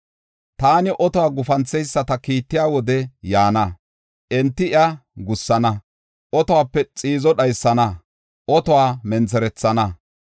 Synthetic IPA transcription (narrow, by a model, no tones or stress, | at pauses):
t̪aːnɪʔɔt̪ɔwaːɡʊfɐnt͡sːɛjsːɐt̪ɐkiːt̪ːɪjaːwɔd̪ɛjaːnɐ | ʔɛnt̪ːɪɪjɐɡʊsːɐnɐ | ʔɔt̪ɔwaːpːɛt͡sʼiːzɔɗɐjsːɐnɐ | ʔɔt̪ɔwaːmɛnt͡sɛɾɛt͡sːɐnɐ